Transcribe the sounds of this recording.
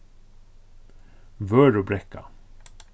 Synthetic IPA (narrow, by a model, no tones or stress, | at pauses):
vœːɾɔbɾɛkːa̰